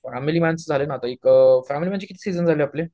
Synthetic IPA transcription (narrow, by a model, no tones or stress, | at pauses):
fæmilimænsd͡zʱalenat̪aikfæmilimənd͡ʑikit̪ʰiːsid͡zənd͡zʱaleaple